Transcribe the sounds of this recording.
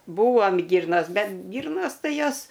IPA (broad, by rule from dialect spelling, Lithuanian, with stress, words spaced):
ˈbuːʋoːm ˈɡʲiːrnɐs ˈbʲɛt ˈɡʲiːrnoːs ˈtɐɪ ˈjoːs